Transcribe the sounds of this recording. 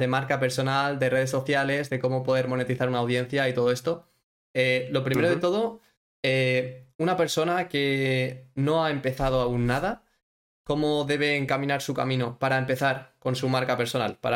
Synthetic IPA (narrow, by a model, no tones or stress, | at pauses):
e̞maɾkape̞ɾso̞nald̪e̞re̞ð̞e̞sːo̞θjale̞zðe̞ko̞mo̞po̞ðe̞ɾmo̞ne̞t̪iθaɾunaːwðjẽ̞n̟θjait̪o̞ðoe̞st̪o̞ | elo̞pɾimeɾoðet̪o̞ð̞o̞ | eunape̞ɾso̞nake̞ | no̞ae̞mpe̞θað̞oaunːaða | ko̞moðe̞β̞e̞ːŋkamĩnaɾsuka̰mĩno̞paɾaempe̞θaɾko̞nsumaɾkape̞ɾso̞na̰lpa̰ɾ